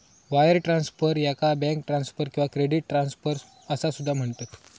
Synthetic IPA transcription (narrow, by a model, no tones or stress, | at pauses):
ʋajəɾʈɾãnsfəɾjakabɛ̃ŋkʈɾansfəɾkĩw̃ʋakɾeɖiʈ̚ʈɾansfəɾ | əsasud̪ʱːam̤əɳt̪ət̪